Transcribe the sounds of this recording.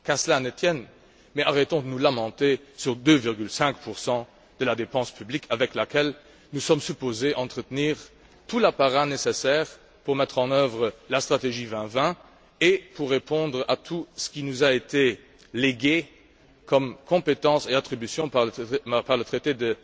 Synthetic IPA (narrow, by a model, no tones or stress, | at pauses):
kaʁsəlanət̪jɛn | mɛaʁɛt̪ɔ̃d̪ənulamɑ̃t̪esyʁd̪øviʁɡylsɛ̃kpʰuʁsɑ̃ | d̪̥əlad̪epɑ̃spʰyblikʰavɛklakɛl | nusɔmsypozeʔɑ̃t̪χət̪niːʁ | t̪ʰulapaʁanesesɛːʁ | puʁmɛt̪χɑ̃nœvʁəlast̪χat̪eʒivɛ̃vɛ̃ | epʰuʁːepɔ̃d̪ʁat̪ʰusə̥kinuzaet̪ʰe | leɡe | kʰɔmkʰɔ̃pet̪ɑ̃seat̪χibysjɔ̃papaʁlət̪χet̪ed̪ə